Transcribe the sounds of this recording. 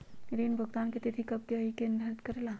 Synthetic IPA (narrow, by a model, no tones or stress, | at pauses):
ɾiːnbʱʊɡt̪aːnket̪et̪ʰikɐb̚keɐɦikẽnd̪əɾt̪kɐɾela